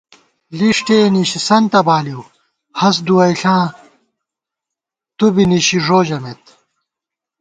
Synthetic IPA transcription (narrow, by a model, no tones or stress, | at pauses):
liʂʈeːniɕisɐnt̪ɐbaːliw | hɐs̬d̪uwɐjɬãː | t̪ubiniɕiʐoːd͡ʑɐmet̪